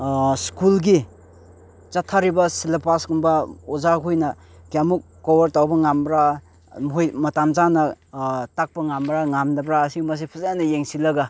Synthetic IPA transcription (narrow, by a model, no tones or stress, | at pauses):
skulɡi | t͡ʃatʰːaɾibɐsilapasɡumbɐɔzakʰujnɐ | kjamukːobɐɾtawbɐŋambɾa | mɦojmɐtamzanɐtak̚pɐŋambɾaŋamdɐbɾaːsimɐs̬ipʰuzajanɐjeŋsilɐɡa